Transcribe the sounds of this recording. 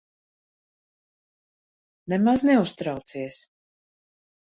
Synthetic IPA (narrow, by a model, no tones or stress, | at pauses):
nɛmaznɛust̪ɾawt̪siɛs